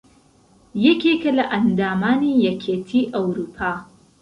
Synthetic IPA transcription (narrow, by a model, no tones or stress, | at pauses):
jɐkʲeːkɐlaʔɐndaːmaːniːjɐkʰʲeːtiːʔawɾuːpʰaː